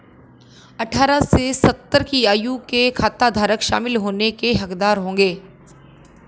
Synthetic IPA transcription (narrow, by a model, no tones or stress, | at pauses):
ɐʈʰaːɾasesɐt̪ːəɾkiaːjukekʰaːt̪ːad̪ʱaːɾəkʃa̰ːmɪlɦoːnekeɦɐkd̪aːɾɦõːŋɡeː